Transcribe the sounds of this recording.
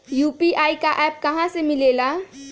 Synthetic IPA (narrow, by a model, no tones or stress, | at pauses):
jupiʔaːikaʔɛːp̚kɐɦãsemɪleːla